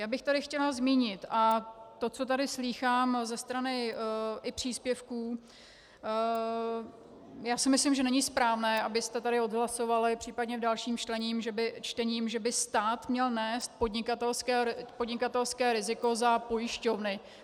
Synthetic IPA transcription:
jaːbɪxt̪adɪxcɛlazmiːɲɪt̪ʔat̪o̞t͡so̞t̪adɪsliːxaːmzɛst̪ɾanɪʔɪpr̝̥iːspjɛfkuː | jaːsɪmɪslɪmʒɛnɛɲɪspɾaːvnɛːʔabɪst̪ɛt̪adɪo̞d̪ɦlaso̞valɪpr̝̥iːpadɲɛvdalʃiːmt͡ʃlɛɲiːmʒɛbɪt͡ʃt̪ɛɲiːmʒɛbɪst̪aːt̪mɲɛlnɛːst̪̚podɲɪkat̪ɛlskɛːpo̞dɲɪkat̪ɛlskɛːɾɪzɪko̞zapo̞jɪʃcovnɪ

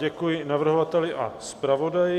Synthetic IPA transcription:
ɛkujɪnavr̩ɦovat̪ɛlɪʔa̰spɾavo̞dajɪ

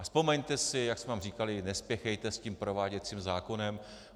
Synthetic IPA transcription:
spo̞mɛɲt̪ɛsɪjaksmɛvaːmriːkalɪnɛspjɛxɛjt̪ɛscimpɾo̞vaːɟɛt̪t͡siːmzaːko̞nɛm

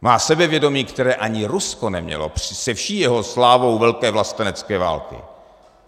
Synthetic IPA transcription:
maːsɛbɛvjɛdo̞miːkt̪ɛɾɛːʔaɲɪɾuskonɛmɲɛ̰lo̰pr̝̥ɪsɛfʃiːjɛɦo̞slaːvo̞wvɛlkɛːvlast̪ɛnɛt͡skɛːva̰ːlkɪ̰

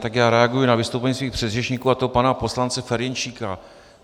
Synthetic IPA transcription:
t̪akjaːɾɛaɡujunavɪst̪owpɛɲiːsviːxpr̥ɛd̪rɛt͡ʃɲiːkuːat̪opanapo̞slant͡sɛfɛɾjɛnt͡ʃiːka

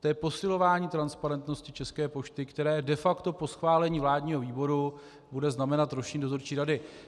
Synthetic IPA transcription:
t̪ɛpo̞sɪlo̞vaːɲiːt̪ɾanspaɾɛnt̪no̞scɪt͡ʃɛskɛːpo̞ʃt̪ɪkt̪ɛɾɛːdɛfakt̪o̞po̞sxvaːlɛɲiːvlaːdɲiːɦoviːbo̞ɾu | budɛznamɛnat̪ɾoʃiːndot̪oɾt͡ʃiːɾadɪ

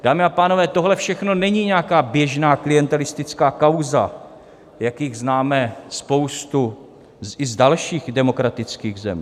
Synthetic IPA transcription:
d̥aːmɪapaːno̞vɛːt̪o̞ɦlɛfʃɛxno̞nɛɲiɲɛakaːbjɛʒnaːklɪjɛnt̪ɛlɪst̪ɪt͡skaːkawza̰ | jakjɪɣznaːmɛspo̞wst̪u | ɪzdalʃiːɣdɛmo̞kɾat̪ɪt͡skiːɣzɛ̰mi

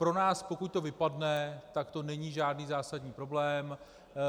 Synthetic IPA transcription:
pɾo̞naːspo̞kuc̚t̪o̞vɪpadnɛt̪akt̪o̞nɛɲiːʒaːdniːzaːsadɲiːpɾo̞blɛːm

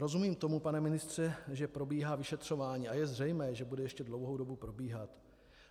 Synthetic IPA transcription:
ɾo̞zumiːmt̪o̞mupanɛmɪnɪst̪r̝̥ɛʒɛpɾo̞biːɦaːvɪʃɛt̪r̝̥o̞vaːɲiːʔajɛzr̝ɛjmɛːʒɛbudɛjɛʃcɛdlo̞wɦo̞wdo̞bupɾo̞biːɦat̪

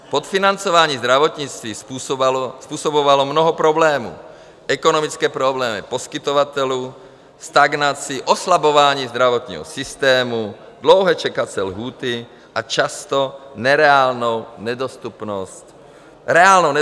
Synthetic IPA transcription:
pot̪finant͡sovaːɲiːzd̪ɾavot̪ɲit͡st̪ʋiːspuspuːsobovalomnɔɦɔpɾoblɛːmṵː | ʔɛkonomit͡skɛːpɾoblɛːmḭposkit̪ovat̪ɛluː | st̪aɡnat͡siʔoslabovaːɲiːzd̪ɾavot̪ɲḭːɦɔ̰sist̪ɛːmu | d̪lowɦɛt͡ʃɛkat͡sɛlɦuːt̪i | ʔat͡ʃast̪onɛɾɛaːlnownɛd̪ost̪upnost | ɾɛaːlnonɛ

